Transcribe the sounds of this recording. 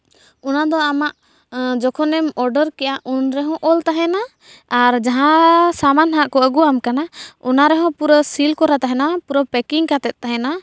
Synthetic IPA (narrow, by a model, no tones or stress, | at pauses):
unad̪ɔamaʔ | d͡ʒɔkʰɔnɛmɔɾɖəɾkɛʔaʔunɾɛɦɔ̃ʔɔlt̪aɦɛnaː | ɾd͡ʒaɦãsamanɦaʔkɔəɡuamkanaɔnaɾɛɦɔ̃puɾɔsilkɔɾat̪aɦɛnapuɾɔpɛkiŋkat̪ɛt̪̚ˀt̪ːaɦɛna